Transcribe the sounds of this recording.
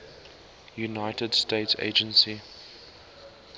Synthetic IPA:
junaɪtədsteɪtsḛɪd͡ʒə̃nsi

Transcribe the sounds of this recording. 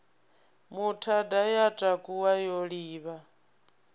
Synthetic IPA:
mutʰadajat͡ʃʼakʼuwajɔɺiːβa

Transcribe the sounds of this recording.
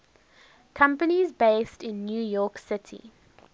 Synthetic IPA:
kʰʌ̃mpənizbeɪstɪ̃nːjuːjɔˑksɪtʰḭ

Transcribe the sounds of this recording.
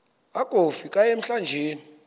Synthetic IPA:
aɡ̥ʱofikʼajem̩ɬand͡ʒʱeːni

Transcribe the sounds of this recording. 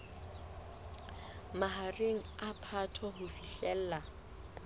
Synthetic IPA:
maɦareŋ̩apʰatʰɔɦʊfiɬɛl̩ːla

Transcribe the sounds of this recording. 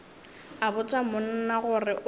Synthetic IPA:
abʊt͡sʼamʊn̩naɣʊrɪʔ

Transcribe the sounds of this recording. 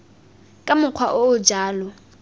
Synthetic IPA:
kʼamʊq͡χʰwaʔoːd͡ʒaːlɔ

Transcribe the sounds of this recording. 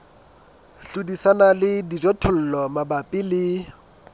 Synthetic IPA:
ɬudisanalɪdid͡ʒɔtʰʊl̩lɔmabapʼɪlɪ

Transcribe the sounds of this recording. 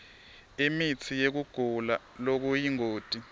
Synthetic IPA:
emit͡sʰijek̬uɡ̥ʱula | lok̬ujiŋoːd̥ʱi

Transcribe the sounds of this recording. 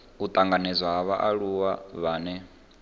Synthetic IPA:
ut̪ʼaŋɡanɛzʷwaɦaβaʔaɺuwaβaːnɛ

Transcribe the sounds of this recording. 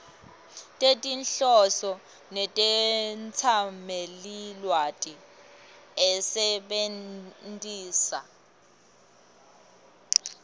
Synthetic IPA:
tʼetʼinɬɔsɔ | nɛtʼɛnt͡sʰamelilwatʼi | ɛsɛɓentʼiːsa

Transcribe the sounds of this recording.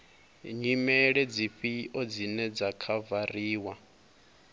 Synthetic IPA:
ɲimɛɺɛd͡ziɸiʔɔd͡zinɛd͡zakʰavariːwa

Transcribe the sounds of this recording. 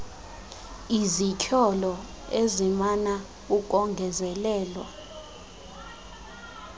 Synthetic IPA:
izicʰɔlɔ | ezimana | uk̬ʼɔŋɡʱɛzɛlɛːlwa̰

